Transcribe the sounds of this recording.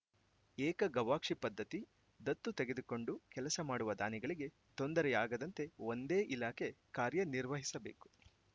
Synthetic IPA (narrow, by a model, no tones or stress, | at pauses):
ɛːkɐɡɐʋaːkʂipɐd̪ʱːɐt̪i | d̪ɐt̪ːut̪e̞ɡe̞d̪uko̞ɳɖukɛlɐsɐmaːɽuʋɐd̪aːniɡɐɭiɡe̞ | t̪o̞nd̪ɐɾɛaːɡɐd̪ɐnt̪eond̪eːʔilaːkʰe̞kaːɾjɐniɾʋɐɦisɐbe̞̰ːku̥